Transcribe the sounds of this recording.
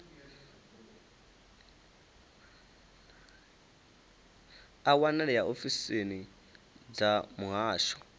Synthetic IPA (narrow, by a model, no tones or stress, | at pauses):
awanɛɺɛjaʔofiseni | d͡zamuɦaːʃɔ̥